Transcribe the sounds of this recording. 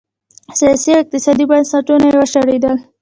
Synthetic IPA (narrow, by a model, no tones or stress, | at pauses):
sijɑsioɪq̚t̪ɪsɑd̪ibansaʈunaewaʃaɽed̪əl